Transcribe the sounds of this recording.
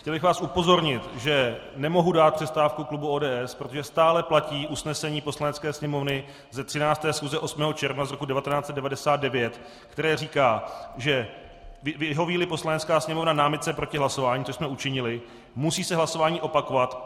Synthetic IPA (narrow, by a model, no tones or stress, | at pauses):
xcɛlbɪxvaːsʔupo̞zo̞ɾɲɪt̪ʒɛ | nɛmo̞ɦudaːt̪̚pr̥ɛst̪aːfkuklubuoːdɛːʔɛspɾot̪oʒɛst̪aːlɛplaciːʔusnɛsɛɲiːpo̞slanɛtt͡skɛːsɲɛmo̞vnɪ | zɛt̪r̥ɪnaːt͡st̪ɛːsxuzɛʔo̞smɛːɦo̞t͡ʃɛɾvnazɾo̞kudɛvat̪ɛnaːt͡sɛt̪dɛvadɛsaːt̪̚dɛvjɛt̪ | kt̪ɛɾɛːriːkaːʒɛ | vɪvɪɦo̞viːlɪpo̞slanɛtt͡skaːsɲɛmo̞vnanaːmɪt̪̚t͡sɛpɾo̞cɪɦlaso̞vaːɲiːsoʃsmɛut͡ʃɪɲɪlɪ | musiːsɛɦlaso̞vaːɲiːʔo̞pako̞vat̪